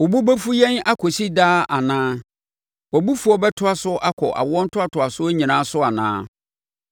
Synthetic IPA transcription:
ɔ˨bu˦bɛ˦fu˦jɛ̃˦na˦kʰɔ˨si˦daː˦a˨nãː˦ | wɔ˨bu˦fu˨˦ɔ˦bɛ˦tʰʊ˦a˦sʊ˦ʔa˦kʰɔ̰˨ʔa̰˨wɔ̃˦n̩˦tʰʊ˦a˨tʰʊ˨a˨sʊ˦æ˦ɲĩ˨nãː˦sʊ˦a˨nã̰ː˦

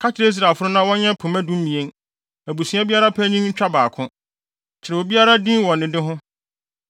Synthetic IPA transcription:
kʰa˦t͡ɕʰɪ˨ɾe˦i˦s̬ɾa˨fʊ˦ɾʊ̃˦nã˦wɔ̃˦ɲɛ̃˦pʰʊ̃˨mæ̃˦dũ˦m˦mĩ˨ẽ˦n | æ˨bu˨sũ˨˦a˦bi˦a˦ɾa˦pʰæ˦ɲĩ˦ɲ̩˦t͡ɕᶣa˦baː˨kʰʊ̃˦ | t͡ɕʰɪ˨ɾɛ˨wo˨bi˦a˦ɾa˦dĩ˦wɔ̃˨nːɪ̃˨dɪ˦ɦʊ̃˦

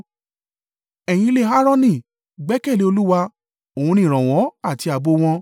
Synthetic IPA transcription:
ɛ˨j̃ĩ˧le˨ɦa˦ɾ̃ɔ̃˦nĩ˧˨ | ɡ͡bɛ˨˦kɛ˦˨li˨˦o˧lu˦wa˧ | o˨ũ˧nĩ˦˨ɾ̃ã˨w̃ɔ̃˨˦a˦˨ti˧˦a˨bo˧w̃ɔ̃˧

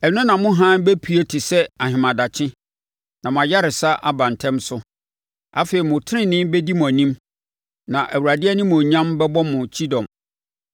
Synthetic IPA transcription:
ɛ˨n˦ʊ̃˦nã˨mʊ̃˦ɦã˦bæ˦pʰi˨e˦tʰɪ˨sɛ˦a˨ɦɪ̃˨mã˨da˨t͡ɕʰɪ̃˦ | nã˨mʊ̃˨a˨ja˦ɾɪ˨sa˦ʔa̰˦bã˨n˨tʰɛ̃˦msʊ˦ | a̰˦fe˨ɾi˨mʊ̃˨tʰɪ˦ɪ̃˦nɪ̃˦mbɛ˦di˦mʊ̃˨æ˨nĩ˦m | nã˨ʔæ˨wu˨ɾa˨dɪ˦ɛ˦nɪ̃˦mʊ̃˨ɲã˦mbɛ˦bɔ˦mʊ̃˨t͡ɕʰi˦dɔ̃˨m

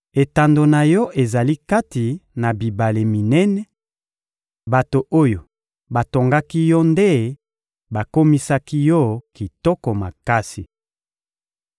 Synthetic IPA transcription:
e˨ta˨ndo˨na˨jɔ˦ʔe˨za˨li˦ka˦ti˨na˨bi˨ba˨le˨mi˨nɛ˦nɛ˦ | ba˨to˨ʔo˦jo˨ | ba˨to˨ŋɡa˦ki˦jɔ˦nde˦ | ba˨ko˦mi˦sa˦ki˦jɔ˦ki˨tɔ˦kɔ˨ma˨ka˦si˨

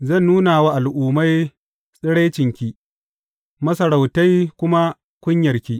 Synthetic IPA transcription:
zɐ˦˨nːuː˦naː˨waː˦ʔa˨lʔuː˨ma˦j | sʼɪ˦ɽa˦jt͡ʃɪ˨ŋkʲiː˦ | mɐ˦sɐ˨ɾa˨wta˦jkʷʊ˦ma˦ | kʷʊ˦ɲjɐ˨rkʲiː˦

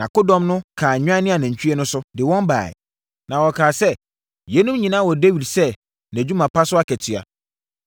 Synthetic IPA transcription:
nã˨kʊ˦dɔ̃˦mnʊ̃˦kʰaː˨ɲᶣ˦ã˦nɪ̃˦a˨næ̃˨ɲ̩˨t͡ɕʰᶣɥɛ˦nʊ̃˦sʊ˦dɪ˨wɔ̃˦mba̰ː˨ɛ̰˨ | nã˨wɔ˨kʰaː˨sɛ˦ | jɛ˦nũ˦m˦ɲĩ˨nãː˦wɔ˨dɛ˦ɥi˨sɛ˦ | næ̃˨d͡ʑᶣu˦mã˨pʰa˦sʊ˦a˦kʰɛ˨tʰɥa̰˨

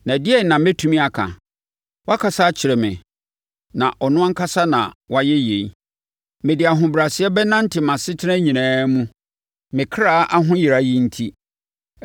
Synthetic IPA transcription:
nã˨dɪ˦ɛ˦nã˨mɪ̃˦tʰu˦mĩ˦a˨kʰã̰˨ | wa˦kʰa˨sa˦t͡ɕʰɪ˨ɾɛ˨mɪ̰̃˨ | nã̰˨ʔɔ˨nʊ̃˦a˦ŋ̩˦kʰa˦sa˦nã̰˨wa˦jɛ˦je˨i˦ | mɪ̃˨dɪ˨a˨ɦʊ̃˨bɾa˨sɪ˨˦ɛ˦bɛ˦nã˦n̩˦tʰɪ˨mã˨sɪ˦tʰɪ˦nɛ̃˦ɲĩ˨nãː˦mũ˦ | mɪ̃˨kʰɾa˦ʔa˦ɦʊ̃˦ji˨ɾa˨ji˦n̩˦tʰi˦

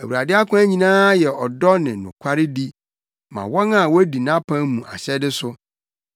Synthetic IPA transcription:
æ˨wu˨ɾa˨dɪ˦a˦kʰʊ̃˦æ˦ɲĩ˨nãː˦jɛ˨ɔ˨dɔ˦nɪ̃˨nʊ̃˨kʷʰa˦ɾɪ˦di˦ | mã̰˨wɔ̃˦na˨wɔ˦æ˦di˨nã˦pʰã˦mũ˨ʔa̰˨ɕɛ˦dɪ˦sʊ˦

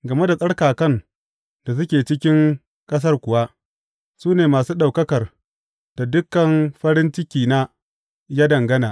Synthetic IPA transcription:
ɡɐ˨me˦da˨sʼɐ˦ɽkaː˨kɐ˦n | d̥a˨s̬ʊ˦kʲeː˨t͡ʃɪ˦kʲɪ˦ŋ | kʼɐ˦s̬ɐ˦rkʷʊ˨wa˦ | suː˦neː˨maː˨suː˦ɗa˨wkɐ˦kɐ˨r | d̥a˨dʊ˦kːɐ˨mɸɐ˦ɾɪ˦nt͡ʃɪ˦kʲiː˨na˦ | jaː˦dɐ˨ŋɡɐ˦naː˨ʔ

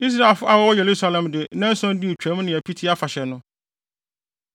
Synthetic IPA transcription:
i˦s̬ɾa˦e˨lfʊ˦ʔa˦wɔ˦wɔ˦je˨lu˦sa˦lã˨mdɪ˨˦nã˦n̩˦sɔ̃˦n̩˦di˦o˨t͡ɕᶣæ̃˦m̃˦nɪ̃˨æ˨pʰi˦tʰi˦a˦fa˨ɕɛ˨nʊ̃˦

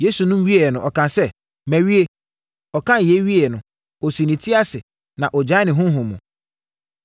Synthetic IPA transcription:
je˦su˨nʊ̃˦m˦ɥi˦e˨ɛ˨nʊ̃˨ʔɔ˨kʰã˨nsɛ˦˨ | mæ̃˨ɥi˦e˦ | ɔ˨kʰã˦n˨e˨˦ɥi˦ɛ˨nʊ̃˨ | ɔ˨si˨nĩ˨tʰi˦a˦sɪ˨ | nã˨ʔɔ˨d͡ʑa˦nɪ̃˨ɦʊ̃˦ɦʊ̃˨mːũ˨

